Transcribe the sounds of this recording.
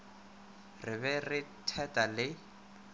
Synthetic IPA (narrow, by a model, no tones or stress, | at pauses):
rɪβɛrɪtʰɛtʼalɪ